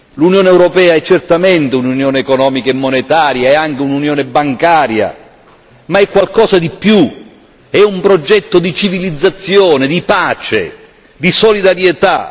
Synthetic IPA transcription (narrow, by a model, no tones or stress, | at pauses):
lunjoːneɛwɾopɛːaɛt͡ʃːert̪amɛnt̪eununjɔːneːkonɔːmikaemːonet̪aːɾjaɛaŋk̟eununjɔːnebaŋkaːɾja̰ | maɛkːwalkɔːsad̪ipːju | ɛumpɾod͡ʒɛt̪ːod̪it͡ʃivilid̪zːat̪sːjɔːned̪ipaːt͡ʃḛ | d̪isolid̪aɾjet̪a̰